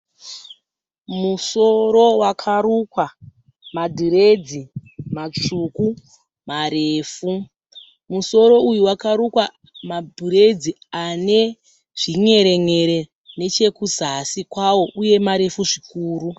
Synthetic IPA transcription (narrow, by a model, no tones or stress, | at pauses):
muso̞ɾo̞wakʰarukwa | madʱuɾe̞d͡zimat͡ʂuku | maɾeːfu | muso̞ɾo̞ujuwakaɾukwa | madʱuɾed͡zi | ane̞ | ʐ̥iŋe̞ɾe̞ŋe̞ɾe | ne̞t͡ʃe̞kuzasikwawo̞ʔuje̞maɾe̞fuʐikuːru